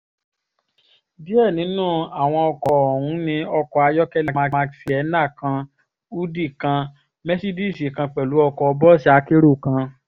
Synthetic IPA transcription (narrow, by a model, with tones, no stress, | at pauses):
bi˦ɛ˦˨nĩ˨˦nũː˦˨a˨w̃ɔ̃˧ɔ˧kɔ˨ɔ˨wũ˨˦nĩ˧ɔ˧kɔ˧a˧jɔ˦kɛ˦la˧ma˧a˧˨fi˦ɛ˨˧˦nã˦˨kã˧ | u˦di˦˨kã˧ | mɛ˦si˦di˦˨si˨kã˧k͡pɛ˨lu˨˦ɔ˧kɔ˧bɔ˦ʃi˦a˨˦ke˦ɾo˦˨kã˧